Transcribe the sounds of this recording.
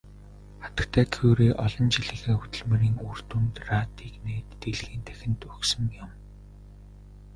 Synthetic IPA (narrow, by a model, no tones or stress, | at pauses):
χḁt̪ə̆kt̪ʰæːkʰeːwɾeːʔɔɮɞ̆nt͡ɕiɮiːxeːxut̪ɵ̆ɮmĕɾiːŋur̥t̪unt̪raːt̪ʰiːkneːt̪ːeɮɣiːnt̪ʰæ̥xʲɪ̆nt̪ɵxsɵ̆ŋjʊm